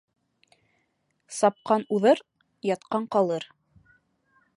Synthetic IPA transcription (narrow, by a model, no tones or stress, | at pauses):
sɑp̚qɑnuðɤɾ | jɑt̪qɑɴqɑlˠɤɾ